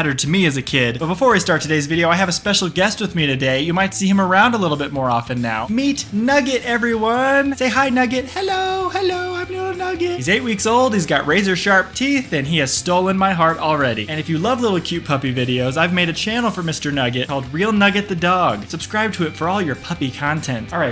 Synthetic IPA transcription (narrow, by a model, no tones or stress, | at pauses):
ɾə˞d̚tʰɨmiɨzɨkʰɪd̚b̥ʌt̚b̥əfɔɹaɪstɑɹtʰɨdeɪzvɪɾioʊaɪɨvəspɛʃl̩ˠɡɛst̚wɨðmiɾɨdeɪjɨmaɪtsiɨ̃mə˞ãʊ̃ndəlɪɾl̩ˠbɪt̚mɔɹɑfɨ̃nːa̰ʊmitⁿnʌɡɨɾɛvɹiwʌ̃nseɪɦaɪnʌɡɨt̚hɛloʊhɛloʊãɪ̃mnonʌɡɨt̚izeɪʔ̚wiksoʊlˠd̚hizɡɑʔ̚ɹeɪzə˞ʃɑɹp̚tʰiθɨ̃niɨz̥stoʊlˠə̃nmaɪɦɑɹɾl̩ˠɹɛɾḭɨ̃nɨfjɨlʌvlɪɾl̩ˠkʰj̥ʉt̚pʰʌpivɪɾioʊzaɪvmeɪɾɨt͡ʃʰæ̃nl̩ˠfə˞mɪstə˞nʌɡɨt̚kʰɔlˠd̚ɹilˠnʌɡɨt̪̚ðɨdɔɡ̥sɨb̥skɹaɪb̚tʰɨɨtfə˞ɔlˠjə˞pʰʌpikʰɑ̃ntʰɛ̃ntˠɹaɪt